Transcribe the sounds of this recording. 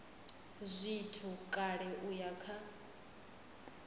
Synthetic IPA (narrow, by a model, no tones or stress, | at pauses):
zʷitʰukʼaɺɛʔujakʰa